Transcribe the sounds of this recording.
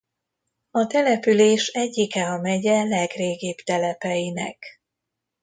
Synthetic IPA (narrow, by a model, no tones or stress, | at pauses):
ɒt̪ɛlɛpyleːʃɛɟːikɛɒmɛɟɛlɛɡreːɡiːb̥t̪ɛlɛpɛjinɛ̰k